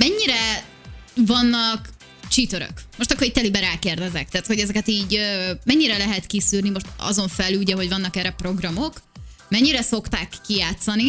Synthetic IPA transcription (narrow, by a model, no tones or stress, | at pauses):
mɛɲːiɾɛ | vɒnːɒk | t͡ʃit̪øɾø̰kmo̞ʃt̪ɒkːoɾic̚t̪ɛlibɛɾaːkeːrd̪ɛzɛk̚t̪ɛːt̪ho̞ɟɛzɛkɛt̪iːɟømɛɲːiɾɛlɛɦɛt̪kisyːrnimo̞ʃt̪ɒ̰zo̞ɱfɛluɟɛɦo̞ɟvɒnːɒkɛrɛpro̞ɡrɒmo̞k | mɛɲːiɾɛso̞kt̪aːkːijaːt̪sɒni